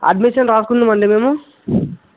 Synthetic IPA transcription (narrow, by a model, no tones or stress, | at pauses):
ɐ̰ɖmiʂɐnɾaːskund̪imɐɳɖemeːmu